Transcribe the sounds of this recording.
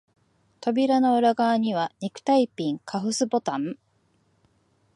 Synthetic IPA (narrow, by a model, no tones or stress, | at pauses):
t̪o̞bʲiɾano̞ɯɾaɡaːɲ̟iβ̞aɲʲikɯ̟̥t̪aipʲĩŋkʰaɸɯ̟sɨbo̞t̪ãm